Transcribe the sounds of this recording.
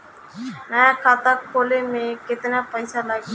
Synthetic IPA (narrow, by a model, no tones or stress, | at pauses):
nəjakʰaːt̪akʰolemẽkɪt̪napəɪsʰalaɡi